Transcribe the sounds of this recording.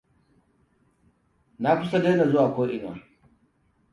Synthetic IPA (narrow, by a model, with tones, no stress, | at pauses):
na˦kʷʊ˦sa˦de˦na˨zʊ˦waː˨kʷoː˦ʔɪ˨n˨wa̰ː˨